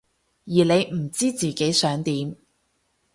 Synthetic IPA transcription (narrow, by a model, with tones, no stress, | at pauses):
jiː˨˩le˨˧jm̩˨˩t͡siː˥t͡siː˨ke˨˥jsœː˨˥ŋt̪iː˨˥m